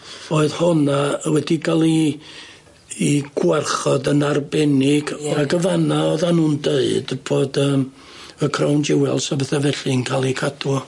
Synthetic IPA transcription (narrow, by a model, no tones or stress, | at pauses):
oːɨðhɔnawɛdikʰalˠi | ɡ̥warχɔdənarbɛnɪɡaɡəvanaɔðanuːndeɨdb̥ʰoːdəːm | əkʰrawnd͡ʒɪwɛlˠsɔbɛθɛvɛɬɨnkʰalˠikʰadɔ